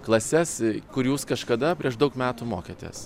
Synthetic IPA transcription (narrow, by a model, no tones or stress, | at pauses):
klˠɐsʲɛskʊɾjuːskɐʃkɐd̪ɐpʲɾʲiɛʃd̪ɐʊkmʲæːt̪umoːkʲeːt̪ʲḛːs